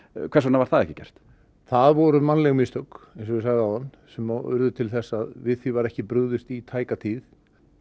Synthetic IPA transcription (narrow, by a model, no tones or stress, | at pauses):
kʰvɛɾsɔnavaɾ̥θaðɛhcɪ̥cɛ̰r̥t̪ | θaðvɔɾʏmanlɛɣmist̪œkɛnsɔvɪsaɣðawhanː | sɛmaʏ̰ɾðʏt̪ʰɪlθɛsːaðvɪðθfivaɾɛhcɪpɾʏɣðʏst̪it̪ʰaːjkat̪ʰiːθ